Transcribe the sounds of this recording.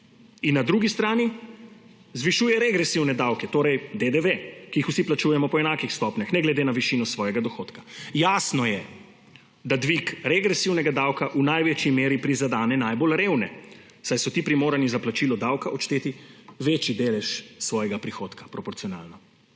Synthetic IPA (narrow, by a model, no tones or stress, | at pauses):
inːad̪ɾuːɡist̪ɾaːni | zʋiʃuːjɛɾɛɡɾɛsiwnɛd̪awkɛt̪oːɾɛjd̪ed̪eʋekijixusiplat͡ʃuːjɛmɔpɔɛnaːkixst̪ɔpnʲaxnɛɡlɛd̪eːnaʋiʃiːnɔsʋɔːjɛɡad̪ɔxoːt̪kḁjaːsnɔjɛ | d̪ad̪ʋikɾɛɡɾɛsiwnɛɡad̪awkaʔunajʋet͡ʃimeːɾipɾizad̪aːnɛnajbolɾeːwnɛ | sajsɔt̪iːpɾimoːɾanizaplat͡ʃilɔd̪awkaʔɔt͡ʃt̪eːt̪iʋeːt͡ʃid̪eːlɛʃsʋɔːjɛɡapɾixot̪kḁpɾɔpɔɾtsiɔna̰ːlnɔ